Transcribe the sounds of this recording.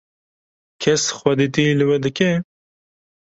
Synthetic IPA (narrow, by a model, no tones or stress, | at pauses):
kʰɛsxwɐd̪it̪ilɨwɛd̪ɨkɛ